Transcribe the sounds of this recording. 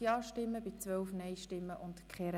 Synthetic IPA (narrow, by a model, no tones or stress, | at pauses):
jɑːʃtɪmːəbɪt͡sʋœlfnɛɪʃtɪmːəʔʊntkχeɾ